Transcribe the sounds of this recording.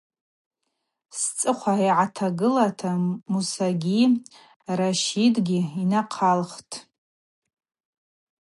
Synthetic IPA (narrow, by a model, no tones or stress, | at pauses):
st͡sʼɨχʷaijʕatʰaɡɨlatʰamusaɡʲi | raʃidɡʲiinaqʰalχtʰʼ